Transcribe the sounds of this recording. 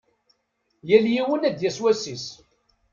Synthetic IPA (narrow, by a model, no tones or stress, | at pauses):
jæljiwənæd̪jæswæsis